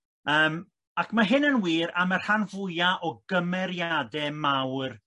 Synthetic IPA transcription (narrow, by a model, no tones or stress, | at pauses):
əːm | akʰmaɦɪnənwiːɾamar̥hanvʊjaʔɔɡəmɛɾjadɛmawr